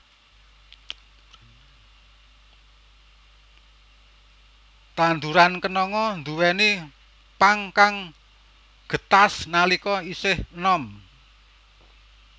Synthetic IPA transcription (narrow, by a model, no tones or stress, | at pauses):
t̪and̪uɾankənɔŋɔnd̪uwɛni | paŋkaŋ | ɡ̥ə̤t̪asnalikɔisɪhnɔm